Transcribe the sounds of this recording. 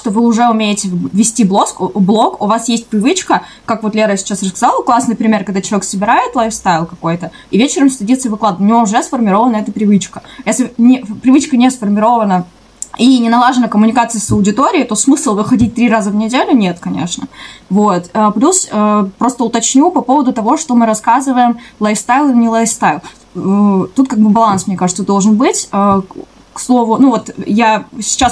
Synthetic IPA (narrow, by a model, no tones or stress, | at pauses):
ʂt̪ovɨʊʐɛʊmʲeɪtʲɪvʲɪsʲtʲiblˠo̞skblˠo̞kʊvasjesʲt̚ʲpɾʲɪvɨt͡ɕkə | kakvo̞t̪lʲeɾəsʲɪ̥t͡ɕasrəskɐzalˠklˠasnɨjpɾʲɪmʲe̞rkɐɡ̚d̪at͡ɕɪlˠɐek̪səbʲɪɾajɪt̪lˠajfst̪avʲɪlˠkɐko̞jt̪ə | ivʲet͡ɕɪɾəmsʲt̪ʲɐdʲit̪sɨjvɨklˠad̪əvnʲɪvoʊʐɛsfərmʲɪɾo̞vənəɛt̪əpɾʲɪvɨt͡ɕkəjesʲlʲɪnʲɪpɾʲɪvɨt͡ɕkənʲesfərmʲɪɾo̞vənə | inʲɪnɐlˠaʐɨnəkəmʊnʲɪkat̪sɨjsəʊdʲɪt̪oɾʲɪɪt̪o̞smɨslˠvɨxɐdʲit̚ʲt̪ɾʲiɾazəvnʲɪdʲelʲʊnʲet̪kɐnʲḛʂnə̰vot̪əplʲusəpɾo̞st̪əʊt̪ɐt͡ɕnʲupɐpo̞vəd̪ʊt̪ɐvo̞ʂt̪o̞mɨɾɐskazɨvəjɪmlˠajst̪ajlˠɨnʲɪlˠajst̪ajlˠ | t̪ut̪̚kaɡ̚bɨbɐlˠansmnʲekaʐɨt̪səd̪o̞lˠʐɨnbɨtʲə | kslˠo̞vʊnuvo̞t̪jasʲɪ̥t͡ɕːas